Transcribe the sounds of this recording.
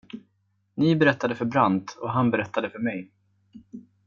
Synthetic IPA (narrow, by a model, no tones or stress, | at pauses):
nɪbɛɾɛt̪ːad̪əfœɾbɾant̪ɔɦanbɛɾɛt̪ʰːad̪əfœɾmɛj